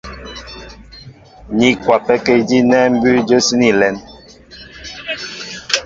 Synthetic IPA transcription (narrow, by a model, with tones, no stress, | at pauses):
ni˦kwa˨pɛ˦ke˦˨di˦nɛ˦m̩˦bʉ˦d͡ʒə˦si˦ni˦lɛ˨˦n